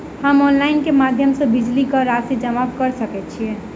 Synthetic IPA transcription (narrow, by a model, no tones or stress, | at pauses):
həmɔnlainkemad̪ʱjəmsə̃bid͡ʒlikəɾased͡ʒəmakəɾsəkɛt̪̚t͡ʃʰiɛ